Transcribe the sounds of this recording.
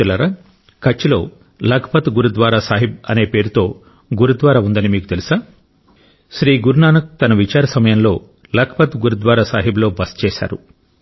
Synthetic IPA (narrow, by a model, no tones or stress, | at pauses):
lɐɾa | kɐt͡ʃːilo̞̰ː | lɐɡʰɐpɐt̪ɡuɾud̪ʋaːɾaːsaːɦib̚ɐ̰ne̞ːpe̞ːɾut̪o̞ː | ɡuɾud̪ʋaːɾaːund̪ɐnimiːkut̪e̞lisaː | ʃɾiːɡuɾnaːnɐk̚t̪ɐnɐʋit͡ʃaːɾɐsɐmɐjɐnlo̞ː | lɐɡʰɐpɐt̪ɡuɾud̪ʋaːɾaːsa̰ːɦiblo̞ːbɐst͡ʃɛːʃa̰ːɾu